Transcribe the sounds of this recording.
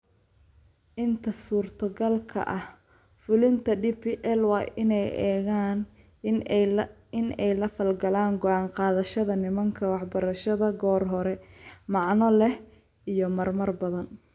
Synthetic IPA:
ʔɪnt̪ʰɐsuːrt̪ʰɐɡɐlkʰɐ̰ʔɐh | fʊlɪnt̪ʰɐɖiːpʰiʔɛlwɑjʔɪnɛjɛːɣaːn | ɪnɛjlɐfɐlɡɐlaːŋɡɔʔɑːɴqɑːðɐʃɐðɐnɪmɐŋkʰɐwɑħbɐɾɐʃɐðɐɡɔːrɦɔɾɛmɑʕnɔlɛh | ʔijɞmɐrmɐrbɐðɐn

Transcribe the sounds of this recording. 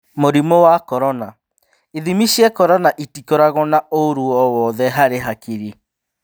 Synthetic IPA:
moɾimowakɔɾɔna | eðimiʃiɛkɔɾɔnaʔitikɔɾaɣɔnaoɾuɔwɔðɛɦaɾeɦakiɾi

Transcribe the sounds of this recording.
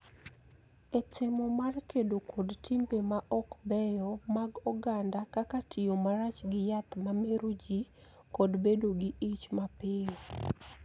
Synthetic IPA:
ɛtɪmɔmarkedokʰodtɪmbemaʔɔkbɛjɔmaɡɔɡandakakatʰɪomaɾat͡ʃɡɪjat̪mameɾod͡ʒi | kodbedoɡɪit͡ʃmapɪ

